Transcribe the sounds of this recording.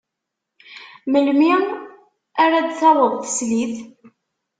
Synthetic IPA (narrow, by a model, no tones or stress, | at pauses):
məlmi | aɾad̪θɑðˤəʁθə̥sliθ